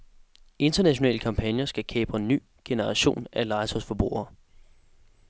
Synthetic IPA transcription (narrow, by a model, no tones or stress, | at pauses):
e̝nd̥ɐnæɕo̝nɛ̰ːləkʰɑ̈mpʰænjɐsɡ̥ækʰɛ̰ːb̥ɐenːy̰ː | ɡ̥e̝nəʁɑ̈ɕo̝̰ːnælɑ̈ɪsʰɒsfɒ̽b̥ʁṵːɐː